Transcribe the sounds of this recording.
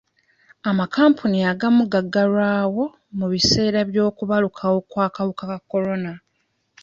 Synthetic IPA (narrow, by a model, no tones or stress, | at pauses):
amakaːmpʰuniaɡamuɡaɡːalwaːwo̞ | muβise̞ːɾaβjo̞ːkuβalukʰawo̞kwaːkaβukakakːo̞lo̞na